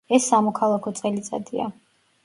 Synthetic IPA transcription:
ɛsːamɔkʰalˠakʰɔt̪sʼɛlit̪sʼa̰d̪ia̰

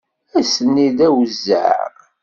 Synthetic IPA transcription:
æsənːiðæwəzːə̰

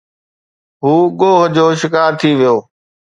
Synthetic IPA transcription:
ɦuːɠoːɦd͡ʑoːʃɪkaːɾt̪ʰiʋɪjoː

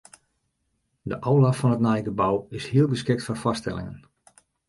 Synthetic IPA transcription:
dəʔowlafɔnətnɛjɡəbawɪshiəlˠɡəskɪk̚tfɔrfɔstɛ̰lɪ̰ŋə̰n

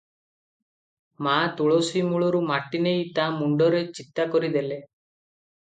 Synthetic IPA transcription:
mat̪uɭosimuɭɔɾumaʈinejt̪amuɳɖɔɾet͡ʃit̪ːakɔɾid̪ele

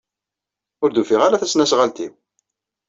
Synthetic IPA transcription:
ʊɾd̪ufɪʁalæθæsnæsʁalt̪iw

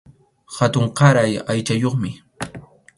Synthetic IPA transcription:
hat̪ʊɴqɑɾajajt͡ʃajoχmɪ

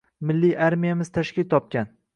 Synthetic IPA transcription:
mɪlːijʔaɾmijamɪz̥t̪ʰaʃkʲɪlt̪ʰɒp̚kʲan

